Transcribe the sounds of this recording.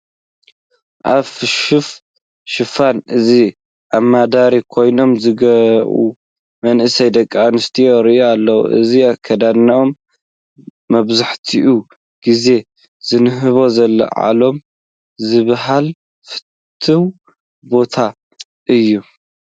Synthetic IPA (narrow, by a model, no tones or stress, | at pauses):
ʔaβff | ʃɨfanɨzi | ʔamːad̪aɾikʰo̞jno̞mzɨɡɐɾʔṵ | mɐnʔɨsɐjd̪ɐkʼːanɨst̪ʰioɾiʔoalːɐwṵʔɨ̰ziakʰɐd̪anɐʔom | ɐβzaħt̪ʰiʔu | ɡ̥ize̞ | z̥ɨnɨɦɨβo̞zɐlːɐ̰ʕa̰lo̞m | zɨβɦal | fɨ̥t̪ʰːɨw | bo̞t̪ʰa | ʔɨjːu